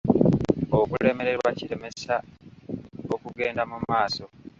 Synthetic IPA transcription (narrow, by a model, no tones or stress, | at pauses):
okule̞me̞ɾe̞ɾwaciɾe̞me̞sa | okuɡe̞ːndamumaːso̞